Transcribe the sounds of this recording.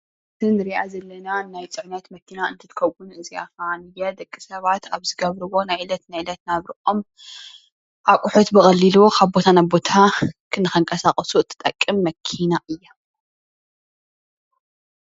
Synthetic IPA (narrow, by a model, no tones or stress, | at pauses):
ɨt̪ʰɨnɨɾiʔazɐlːɐnanajt͡sʼɨʕnɐt̪mɐt̪ʰːinaɨnt̪ʰɨt̪ɨ̥kʰɐwunɨzia̰fanɨjad̪ɐkʼːisɐβat̪ʰaβzɨɡɐβɾɨwo̞najɨlɐt̪najlɐt̪naβɾɨʔʼom | ʔakʷʼʊħut̪bɨkʼɐlːiluokʰaβbo̞t̪ʰanabo̞t̪ʰakʰɨnːɨxɐŋkʼɐsaχʼɐsuɨt̪ʰːɨ̥t̪ʼːɐkʼːɨmːɐkʰinaʔɨjːa